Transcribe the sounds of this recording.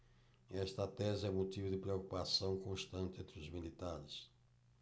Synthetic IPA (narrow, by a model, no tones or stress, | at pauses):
ɛʃt̪ɐt̪ɛzɪɛũmut̪ivʊd̪ɪpɾeokupasɐ̃w̃kõʃt̪ɐ̃nt̪ɪẽnt̪ɾɪʊzmilit̪aɾɪs